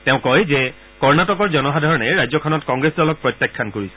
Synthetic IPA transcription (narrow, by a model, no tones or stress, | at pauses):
teʊ̃kɔjzɛ | kɔɹnatɔkɔɹzɔnɔxadʱaɹɔnɛɹajzɔkʰɔnɔtkɔŋɡɹesdɔlɔk̚pɹɔtjakʰːankoɹisɛ̥